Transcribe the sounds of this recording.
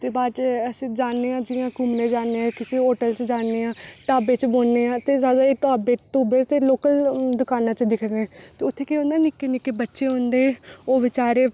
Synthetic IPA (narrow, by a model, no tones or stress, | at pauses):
t̪eːbaːt͡ʃəsĩːd͡ʒaːnːeːãːd͡ʒɪãːkʊmnẽːd͡ʒaːneːãːkɪseːɦoːʈəlt͡ʃd͡ʒaːneːãːʈaːbeːt͡ʃboːneːãːt̪eːzaːd̪aːeːʈaːbeːʈuːbeːt̪eːloːkəld̪ʊkaːnãːt͡ʃd̪ɪkʰneɛːt̪eːʊt̪ʰːeːkeõːnd̪aːnɪkːenɪkːeːbətːʃeːɦõːnd̪eːoːʋɪt͡ʃaːɾeː